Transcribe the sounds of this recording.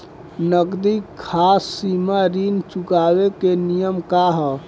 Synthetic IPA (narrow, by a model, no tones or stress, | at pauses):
nəɡd̪ikʰːasːimaɾint͡ʃukabekenijəmkaɦɔ